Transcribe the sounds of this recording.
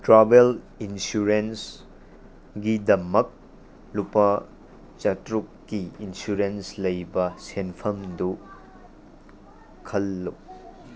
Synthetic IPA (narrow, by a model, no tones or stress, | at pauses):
tɾabel | insuɾens | ɡidɐmɐk̚ | lupɐ | t͡ʃɐtɾukːiinsuɾenslɐjbɐsenpʰɐmdu | kʰɐlːu